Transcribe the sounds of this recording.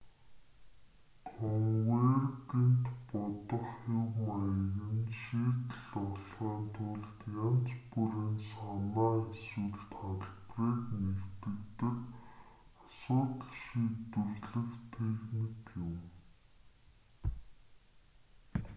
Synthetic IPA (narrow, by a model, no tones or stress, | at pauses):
kʰɔŋwertent̪pɔt̪ɞ̆χxewmajɣɘ̆nʃiːt̪ə̆ɮɔɮχaːnt̪ʰʊɮt̪jan̥t͡spuɾiːnsanaːeswŭɮt̪χaɮpriːknekt̪ɘ̆kt̪ɘ̆r | asʊːt̪̆ɮʃiːt̪ɘ̆rɮɘ̆xt̪ʰexnikjɪm